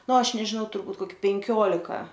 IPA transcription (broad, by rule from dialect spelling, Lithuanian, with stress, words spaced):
ˈnʊ ˈɐʃ nʲɛʒʲɪˈnɐʊ tʊrˈbuːt koːˈkʲɪ pʲɛŋʲˈkʲoːlʲɪkɐ